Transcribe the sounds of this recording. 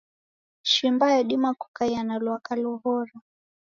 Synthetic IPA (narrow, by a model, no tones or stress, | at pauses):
ʃimbajɔɗimaku̥kajanalwakalɔhɔɾa